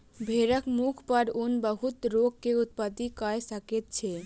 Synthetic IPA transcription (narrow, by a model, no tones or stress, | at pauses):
bʱeɾəkmukʰpəɾunbəɦut̪ɾoɡ̚keut̪̚pat̪ikajesəket̪̚t͡ʃʰe